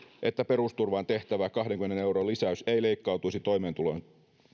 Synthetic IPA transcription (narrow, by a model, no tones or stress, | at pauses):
ʔe̞t̪ːæpe̞ɾust̪urʋɑːnt̪e̞ht̪æʋækɑɦdeŋkymeneneuwɾolːisæyse̞ile̞ikːɑut̪uisit̪o̞jme̞ːnt̪ulo̞jn